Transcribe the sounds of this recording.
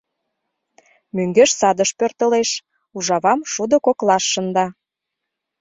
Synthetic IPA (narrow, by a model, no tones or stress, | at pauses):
møŋɡeʃsɑd̪əʃpørt̪əleʃ | uʒɑβɑmʃud̪ə̆koklɑʃːə̆nd̪ɑ